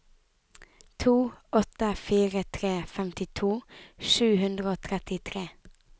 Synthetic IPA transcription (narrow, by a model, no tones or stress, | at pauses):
t̪ʰuːɔt̪əfiːʁət̪ʰʁeːfɛmt̪ɪt̪ʰuːʃʉːhʉnd̪ʁəoːt̪ʰʁɛt̪ɪt̪ʰʁeː